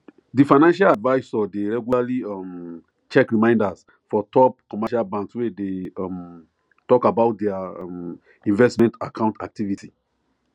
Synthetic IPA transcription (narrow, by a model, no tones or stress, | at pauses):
difajnãnʃaladvaɪsɔdeɹɛɡjulaliam | t͡ʃɛkɹimãɪ̃ndas | fɔtɔp̚kɔmɛʃalbãnkswedem | tɔkabaʊt̚dɛam | ĩnvɛsmɛ̃ntakʰãw̃ntʰa̰k̚tʰivitʰi